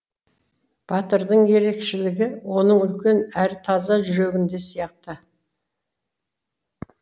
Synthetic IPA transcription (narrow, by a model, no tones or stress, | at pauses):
b̥ɑt̪əɾd̪əɴje̞ɾe̞kʃɪlɪɡʲɪwo̞nəɴʏlkʲe̞næɾt̪ʰɑzɑʒʏɾeɡʲɪnd̪e̞sijɑq̚t̪ə